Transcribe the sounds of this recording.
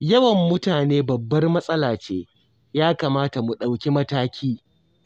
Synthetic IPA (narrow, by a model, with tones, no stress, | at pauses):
jɐ˦wɐ˨mːʊ˦taː˨neː˦bɐ˨bːɐ˦rmɐ˦sʼɐ˦laː˨t͡ʃeː˦ | jaː˦kaː˨maː˦ta˨mu˨ɗa˨wkʲi˦mɐ˦taː˦kʲʰiː˦